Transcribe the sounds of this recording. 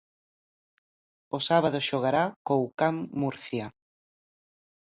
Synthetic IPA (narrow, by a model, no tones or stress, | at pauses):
osaβað̞oʃoɣ̞aɾakowkamːuɾθja